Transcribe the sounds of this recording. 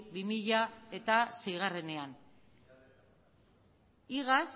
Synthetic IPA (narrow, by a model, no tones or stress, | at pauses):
bimiʎae̞t̪ase̞jɣ̞are̞ne̞an | iɣas